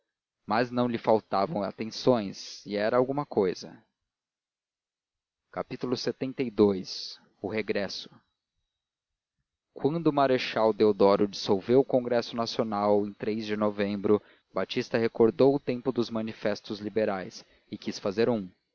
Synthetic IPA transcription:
maznɐ̃w̃lɪfawt̪avɐ̃w̃a̰t̪ẽsõj̃sɪɛɾɐawɡũmɐkojzɐ̰ | kapit̪ulʊset̪ẽnt̪ejd̪ojs | ʊheɡɾɛsʊ̥ | kwɐ̃nd̪ʊmaɾeʃawd̪eod̪ɔɾʊd͡ʒisowvewʊkõŋɡɾɛsʊnasionawẽj̃t̪ɾejzd͡ʒɪnovẽmbɾʊ | bat͡ʃist̪ɐhekoɾd̪owʊt̪ẽmpʊd̪ʊzmɐ̃nifɛst̪ʊzlibeɾajs | ɪkisfazeɾũ

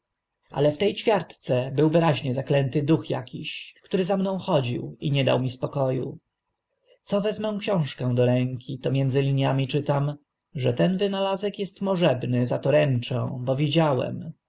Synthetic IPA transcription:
ʔa̰lɛft̪ɛjt͡ɕfʲjaɾt̪t̪sɛbɘwvɘɾaʑɲɛzaklɛnt̪ɘd̪uxja̰kʲiɕkt̪uɾɘzamnɔ̃w̃xɔd͡ʑḭwiɲɛd̪a̰wmʲispɔkɔjṵ | t̪sɔvɛzmɛ̃w̃kɕɔ̃w̃ʂkɛ̃w̃d̪ɔɾɛŋkʲʰit̪ɔmʲjɛnd̪zɘlʲiɲjamʲit͡ʂɘt̪am | ʐɛt̪ɛnvɘnalazɛkjɛst̪mɔʐɛbnɘzat̪ɔɾɛnt͡ʂɛ̰̃w̃bɔvʲid͡ʑawɛ̰m

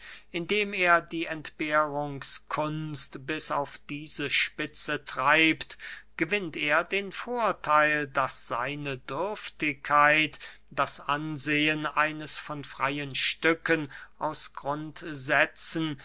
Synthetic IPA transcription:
ʔɪndeːmeːɐdiːʔɛntb̥eːʁʊŋskʰʊnstb̥ɪsaʊfd̥iːzəʃpɪt͡sətʁ̥aɪptɡ̥əvɪnteːɐdeːnfoːɐtʰaɪldasz̥a̰ɪnədʏɐftɪkʰːaɪt | d̥asʔanzeːənʔaɪnəsfɔnfʁ̥aɪənʃtʏkənʔaʊsɡ̥ʁʊntzɛt͡sn̩

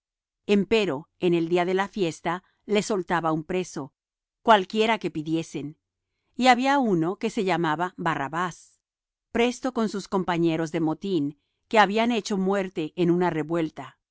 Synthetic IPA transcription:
e̞mpe̞ɾo̞e̞ne̞ld̪iaðe̞lafje̞st̪a | le̞so̞lt̪aβaumpɾe̞so̞ | kwalkje̞ɾake̞piðje̞sen | iaβiauno̞ke̞se̞ʝamaβabaraβas | pɾe̞st̪o̞ko̞nsusko̞mpaɲe̞ɾo̞zðe̞mo̞t̪in | ke̞aβiane̞t͡ʃo̞mwe̞ɾt̪e̞ʔːnunare̞βwe̞lt̪a

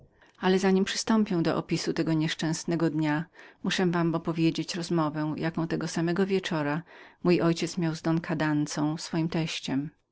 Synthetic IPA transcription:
alɛzaɲimpʂɨ̥st̪ɔmpʲjɛw̃d̪ɔ̰ʔɔ̰pʲisut̪ɛɡɔɲɛʂt͡ʂɛ̃w̃snɛɡɔd̪ɲamuʂɛ̃vamɔpɔvʲjed͡ʑet͡ɕɾɔzmɔvɛw̃jakɔ̃w̃t̪ɛɡɔsamɛɡɔvʲjɛt͡ʂɔɾamujʔɔjt͡ɕɛt̪smʲjawzd̪ɔnkʰad̪ant̪sɔ̃w̃sfɔjimt̪ɛɕt͡ɕɛm

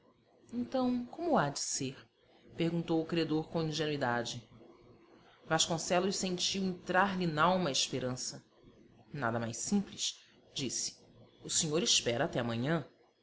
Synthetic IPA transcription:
ẽnt̪ɐ̃w̃kõmʊad͡ʒiseɾ | pehɡũnt̪owʊkɾiad̪oɾkõĩʒenuid̪ad͡ʒɪ | vaʃkõsɛlʊssẽnt͡ʃiwẽnt̪ɾaɾlinawmɐaiʃpeɾɐ̃sɐ | na̰d̪ɐma̰jsĩpliʃ | d͡ʒisɪ̥ | ʊseɲoɾiʃpɛɾɐat̪ɛɐmɐ̃ɲɐ̃

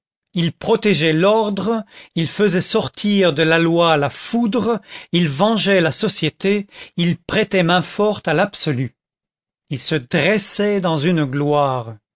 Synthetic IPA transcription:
ilpχɔt̪ɛʒɛlɔʁd̪ʁəilfəzɛsɔʁt̪ʰiʁd̪əlalwalafud̪ʁəilvɑ̃ʒɛlasɔsjet̪eilpχɛt̪ɛmɛ̃fɔʁt̪alabsɔly | ilsəd̪ʁɛsɛd̪ɑ̃zynɡlwaːʁ

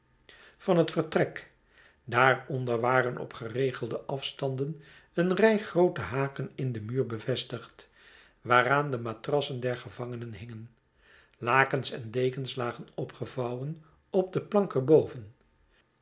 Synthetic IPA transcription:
fɑnɦətfəɹtrɛk | daːɹɔndəɹʋaːrənʔɔ̰pχərejχəlˠdəʔɑfstɑndən | ənrɛjχrowtəɦaːkənɪndəmyːɹbəvɛstəχt | ʋaːraːndəmaːtrɑsəndɛɹχəvɑŋənənɦɪŋən | laːkənsɛ̰ndejkənslaːχənɔpχəvɑwən | ɔb̚dəplɑŋkəɹbowvən

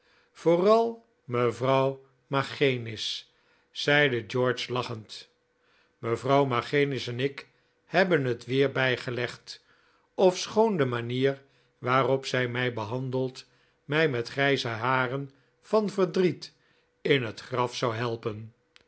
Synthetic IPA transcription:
v̥ʊːrɑlˠ | məvrɑw | maχejnɪs | sɛjdəd͡ʒɔɹt͡ʃlɑχənt | məvrɑwmaχenɪsɛnɪk | hɛbənɦətʋɪːɹbɛjχəlɛχt | ɔfsχowndəmaniːr | ʋaːrɔpsɛjmɛjbəɦɑndəlˠt | mɛjmɛtχrɛjzəɦaːrən | v̥ɑnvəɹdrit | ɪnɦətχrɑfsɑwɦɛlˠpən

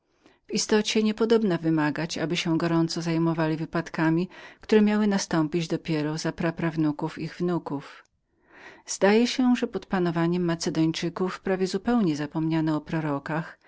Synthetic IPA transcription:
vist̪ɔt͡ɕɛɲɛpɔd̪ɔbnavɘmaɡat͡ɕa̰bɘɕɛɡɔɾɔnt̪sɔzajmɔvalʲivɘpat̪kamʲikt̪uɾɛmʲjawɘnast̪ɔmpʲid͡ʑd̪ɔpʲjɛɾɔzapɾapɾavnukufiɣvnukuf | z̥d̪ajɛɕɛʐɛpɔt̪panɔvaɲɛmːat̪sɛd̪ɔɲt͡ʂɘkufpɾavʲjɛzupɛwɲɛzapɔmɲanɛɔpɾɔɾɔkax

